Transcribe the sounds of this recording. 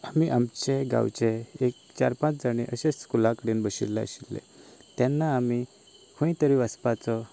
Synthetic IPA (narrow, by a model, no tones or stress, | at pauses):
amiʔamt͡ɕeɡa̰wt͡ɕeek̚t͡ɕaɾpãt͡sd͡zaɽ̃iʔəɕeskulãkəɽiːnbəɕḭɾlɛə̰ɕilːḛ̃t̪ɛnːaːmi | kʰõĩt̪əɾiʋəspat͡sɔ